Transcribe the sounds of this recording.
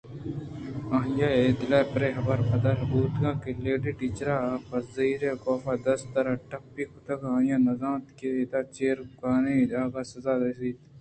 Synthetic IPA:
ɐɦjaed̪ɪlaːpɾeːɦɐbɐɾpɐd̪ɐɾɦɐbuːt̪ɡãːkeleːɖiʈiːt͡ʃɾapɐziːɾekɔːfad̪ɐst̪ɐɾɐʈɐkpːikʊt̪ɐkãːjãːnɐzãːt̪keet̪aːt͡ʃeːɾkaːned͡ʒaːɡasɐzaːd̪esiːt̪

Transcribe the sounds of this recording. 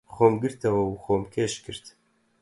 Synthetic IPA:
xoːmɡɨɾt̪ʰɐwɐuxoːmkʲʰeːʃkɨɾt̪

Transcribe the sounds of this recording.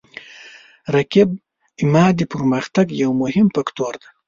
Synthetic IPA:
ɾakɪb̚ | ɪmɑːd̪ipəɾməxt̪aɡjawmʊhɪmpakt̪oɾd̪ḁ

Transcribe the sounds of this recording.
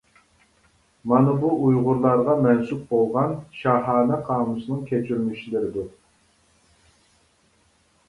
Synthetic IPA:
mɑnɨbuʔujʁʊɾlˠɑɾʁɑmɛnsuk̚bolˠʁɑnʃɑɦɑːnɛqʰɑːmusɨnɨŋkʲʰet͡ʃʰyɾmyʃilɪɾɪd̪u

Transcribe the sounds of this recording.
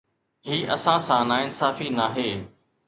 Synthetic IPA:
ɦiːʔɐsãːsãːnaːɪnsaːfiːnaːɦeː

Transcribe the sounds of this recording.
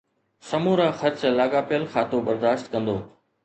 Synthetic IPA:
sɐmuːɾãːxɐɾt͡ɕlaːɡaːpɪjəlxaːt̪obɐɾd̪aːʃt̪kɐ̃nd̪oː

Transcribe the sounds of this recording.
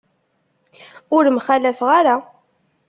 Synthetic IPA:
ʊɾmχælæfʁaɾa

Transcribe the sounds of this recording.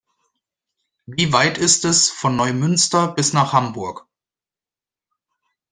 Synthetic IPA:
viːvaɪtɪstɛsfɔnːɔʏmʏnstɐbɪsnaːχhambʊɐk

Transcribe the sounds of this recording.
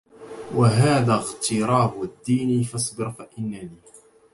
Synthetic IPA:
waɦaːðaːɣt̪ɪɾɑːbʊad̪ːiːnifɑsˤbɪɾfaʔɪnːaniː

